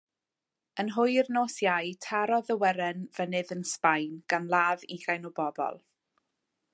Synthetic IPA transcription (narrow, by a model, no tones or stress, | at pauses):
ənɦʊjrnoːsjajtʰaɾɔðəwɛɾɛnv̥ənɨðənspajnɡ̥anlˠaːviɡ̥ajnɔbɔbɔ̰lˠ